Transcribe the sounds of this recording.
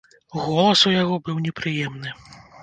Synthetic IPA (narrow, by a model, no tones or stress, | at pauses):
ɣɔlˠɐsujaɣɔbɨwnʲɛpɾɨjɛmnɨ